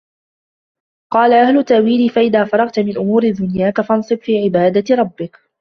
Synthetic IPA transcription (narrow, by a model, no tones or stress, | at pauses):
qɑːlaʔahlʊt̪ːaʔwiːliːfaʔɪðaːfɑɾˤɑɣt̪mɪnʔʊmuːɾɪd̪ʊnjaːkafɑnsˤɨbfiːʕɪbaːd̪aɾˤɑbːɪk